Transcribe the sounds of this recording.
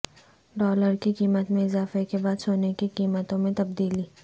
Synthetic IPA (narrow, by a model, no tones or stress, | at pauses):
ɖɔːləɾkiqiːmət̪mẽɪzaːfekebaːd̪soːnekiqiːmət̪õmẽt̪ɐb̚d̪iːliː